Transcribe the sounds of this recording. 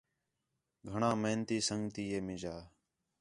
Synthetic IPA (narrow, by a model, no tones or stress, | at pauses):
ɡʱəɳãːmeːnt̪iːsəŋɡt̪iːeːmɪd͡ʒaː